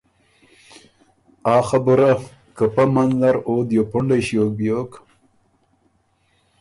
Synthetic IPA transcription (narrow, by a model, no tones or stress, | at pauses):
aːxabʊɾa | kəpamanzaɾoːd̪jopʊɳɖajɕjoːk̚bjoːk